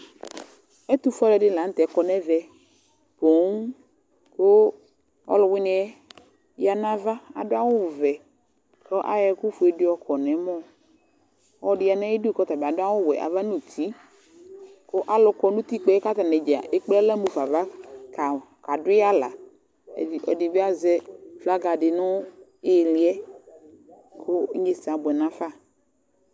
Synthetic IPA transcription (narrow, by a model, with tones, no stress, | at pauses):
ɛ˦t̪u˦fɔ˦lɛ˨dɪ˦˨la˨n̩˦t̪ɛ˨˦kɔ˨nɛ˦vɛ˨ | po˨˦ŋ | kʊ˦ | ɔ̰˦lʊ˨wɪ˦nɪ˨ɛ˦ | ja˨nã˦va˦a̰˨dʊ˦a˦wʊ˦˨vɛ˨ | kɔ˦ʔa̰˦jɛ˨kʊ˦fʊ˨ɛ˨dɪ˦ɔ˨kʰɔ˨nɛ˨˦mɔ̃˦ | ɔ˨dɪ˨˦a˨na˦i˦di˦kɔ˦t̪a˨ba˨dʊ˦a˦wʊ˦˨wɛ̰˨ʔa̰˨va˦nu˨tʰi˨˦ | kʊ˦ʔa˦lʊ˨kɔ˨nʊ̃˦t̪i˦k͡pɛ˨˦ɛ˦ka˦t̪a˨nɛ˨d͡ʒi˨a̰˨ʔe˦k͡pɛ˦lɛ˦mu˨fa˨va˦ka˨ | ka˨dʊ˦a˦la̰˨ | i˨ʔɔ̰˨dɪ˨bɪ˦a˦zɛ˦fla˦ɡa˨dɪ˨nʊ˦ɪ˦˨lɪ˨˦ɛ˦ | kʰʊ˦ɲe˨sa˨bʊ˨ɛ˨nã˦fa˦˨